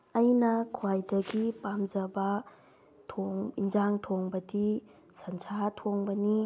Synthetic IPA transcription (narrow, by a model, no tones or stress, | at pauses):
ɐjnɐkʰwajdɐɡipamd͡ʒɐbɐ | tʰoŋind͡ʒaŋtʰoŋbɐdi | sɐnsʰatʰoŋbɐni